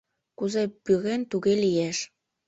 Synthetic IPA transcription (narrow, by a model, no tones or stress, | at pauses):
kuzepyɣent̪uɣelijeʃ